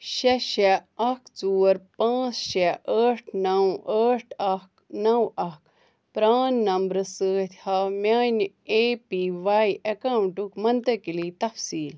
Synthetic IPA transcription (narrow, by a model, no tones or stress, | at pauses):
ʃeʃeɐkt͡suːɾpãːt͡sʃeəːʈʰnɐwəːʈʰɐknɐwɐk | pɾaːnːɐmbɾɨsəːt̪ʰʲhamʲaːn | eːpiʋaːjʔɐkawɳʈukmɐnt̪ɐkiliːt̪ɐfsiːl